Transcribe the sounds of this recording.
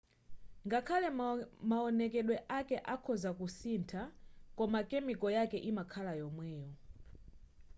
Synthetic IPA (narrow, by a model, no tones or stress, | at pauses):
ŋɡakʰalɛmaɔnɛkɛɗwɛʔakɛʔakʰɔzakusintʰakɔmakɛmikɔjakɛʔimakʰalajɔmwɛːjɔ